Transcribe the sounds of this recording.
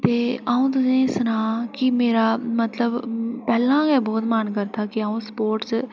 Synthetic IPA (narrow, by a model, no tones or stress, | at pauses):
t̪eːaːũːt̪ʊsẽːsnãːkɪmeːɾaːmət̪ləbpɛːlãːɡɛːbɔːt̪mankəɾt̪ʰaːkɪaːũːspoːɾʈs